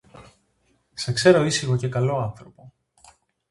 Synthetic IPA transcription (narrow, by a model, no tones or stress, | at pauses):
sɐkse̞ɾo̞isixo̞ce̞kɐlo̞ɐnθɾo̞po̞